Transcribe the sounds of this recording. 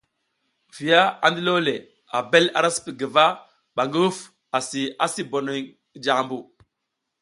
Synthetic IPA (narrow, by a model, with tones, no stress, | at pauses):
vi˨ja˦a˨ndi˦lo˦le˨ | a˨be˦la̰˨ɾa˦si̥˦pi˨ɡə˨va˦ | ɓa˨ŋɡi˦wu˦f | a˨si˨a˦si˦bo˨no˨j | d͡ʒa˨mbu˨